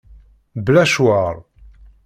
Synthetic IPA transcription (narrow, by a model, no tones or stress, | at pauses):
blæʃwaɾˤ